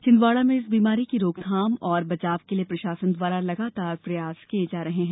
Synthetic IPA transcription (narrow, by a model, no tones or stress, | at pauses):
t͡ʃɪ̃nd̪ʋaːɭamẽɪsbiːmaːɾikiɾoːɡd̪ʱaːmɔːɾbɐt͡ʃaːʋkeliepɾɐʃaːsənd̪ʋaːɾalɐɡaːt̪aːɾpɾɐjaːskied͡ʒaːɾɐɦeɦɛ̃ː